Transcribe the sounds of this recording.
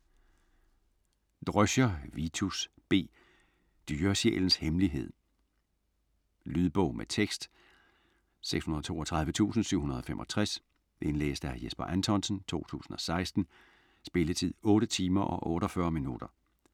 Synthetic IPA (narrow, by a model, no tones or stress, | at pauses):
d̥ʁœɕɐʋit͡sʰus | b̥e̝̰ː | d̥yːɐsḛːln̩shemliɦe̝ð̞̰ˠ | lyðˠb̥ɔʊmet͡sʰeɡ̥sd̥ | seɡ̥shunɐðˠɒ̽t͡sʰo̝ːɒt͡sʰʁɑ̈ð̞ˠʋət͡sʰṵːsn̩syʊ̰hunɐð̞ˠɒ̽femʔɒ̽t͡sʰʁɛs | ʔe̝nlḛːsd̥əhæjesb̥ɐʔænt͡sʰɒ̽nsn̩t͡sʰo̝̰ːt͡sʰṵːsn̩ɒ̽sɑ̈ɪsd̥n̩ | sb̥e̝lət͡sʰið̰ˠɔ̽ːɾət͡sʰiːmɐʔɒ̽ʔɔ̽ːɾɒfɶɐminud̥ɐ